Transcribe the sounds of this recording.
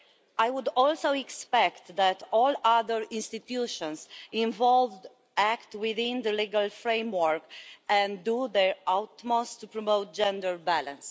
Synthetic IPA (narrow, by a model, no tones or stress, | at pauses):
ajwud̪ɔlsoɛkspɛkt̪d̪æt̪ɔlaðəɹĩnst̪it̪juʃɔ̃nsĩɱvɔlvd | ækt̪wiðĩnd̪əliɡalfɹẽjmwəɹkɛ̃ndud̪ɛɹawt̪most̪ːupɹɔmot̪̚d͡ʒɛ̃ndəɹbælãns